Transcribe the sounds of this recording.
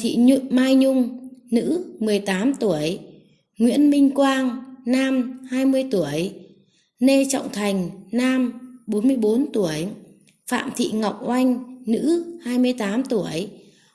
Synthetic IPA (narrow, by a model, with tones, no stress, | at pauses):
t̪ʰḭ˧˨ɲ˧maː˧jɲʊ˧ŋ͡mnɨ̰˧˥mɨ˨˩əjt̪aː˨˦mt̪u˧˩əj | ŋwḭ˧˥ənmï˧ŋ̟kwaː˧nnaː˧mhaː˧jmɨ˧əjt̪u˧˩əj | ne˧t͡ɕɔ̰˧˨wŋ͡mt̪ʰa˨˩jŋ̟naː˧mɓo˨˦nmɨ˧əjɓo˨˦nt̪u˧˩əj | fa̰ː˧˨mt̪ʰḭ˧˨ŋa˨˩wk͡p̚ʔa˧jŋ̟nɨ̰˧˥haː˧jmɨ˧əjt̪aː˨˦mt̪u˧˩əj